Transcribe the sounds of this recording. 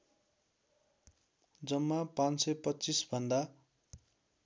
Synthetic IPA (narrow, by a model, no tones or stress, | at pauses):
d͡zʌmːapãnsʌjpʌtːt͡sisbʱʌnd̪a